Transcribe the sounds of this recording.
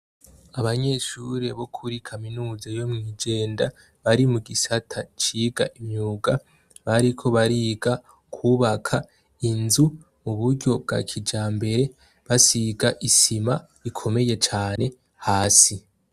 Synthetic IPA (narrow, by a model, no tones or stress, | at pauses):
aβaɲe̞ʃuɾe̞βo̞kʰuɾikʰaminuːzajo̞mŋiːd͡ʒe̞ːnda | βaɾimuɡisatʰat͡ʃiɡaʔimɲuːɡa | βaɾikʰo̞βaɾiɡa | kʰuːβakʰa | inzu | muβuɾɟo̞b̚ɡa̰kʰid͡ʒaːmbe̞ɾe̞ | βasiɡaʔisima | βikʰo̞me̞je̞t͡ʃaːne̞ | haːsi